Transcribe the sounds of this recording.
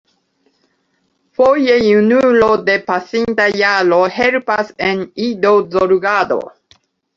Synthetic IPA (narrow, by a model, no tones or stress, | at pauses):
foje̞junulo̞d̪e̞pasint̪ajalo̞helpasenid̪o̞zoɾɡad̪o̞̰